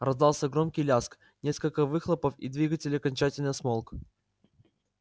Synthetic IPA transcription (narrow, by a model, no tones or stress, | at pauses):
rɐzd̪ɑlˠsʲəɡɾo̞mkʲɪjlʲask | nʲe̞skəlʲkəvɨxlˠəpəfḭd̪vʲiɡətʲɪlʲɪɐkɐnʲt͡ɕætʲɪlʲnɨjsmolˠk